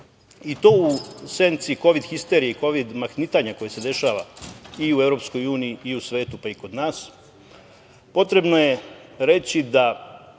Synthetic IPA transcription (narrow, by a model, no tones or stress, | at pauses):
it̪o̞ːutse̞nt̪siko̞ʋid̪xist̪e̞ɾieiko̞ʋid̪maxnit̪aɲako̞jese̞d̪e̞ʃaːʋaiue̞vɾo̞psko̞juːniiiusʋe̞ːt̪upaiko̞d̪naːs | po̞t̪ɾe̞bnoje̞ɾe̞t͡ɕid̪a